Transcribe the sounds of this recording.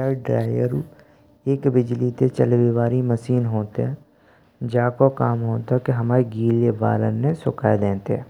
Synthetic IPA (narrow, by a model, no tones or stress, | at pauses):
aɖɾaːɪjəɾu | eːkbɪd͡ʒlit̪et͡ʃəlʋiʋaːɾiməsiːnɦoːt̪eɦɛ̃ː | d͡ʒaːkokaːmɦoːt̪akeɦɐmaːɾiɡiːleba̰ːlə̰nːesʊkaːed̪ẽːt̪eɦɛ̰̃ː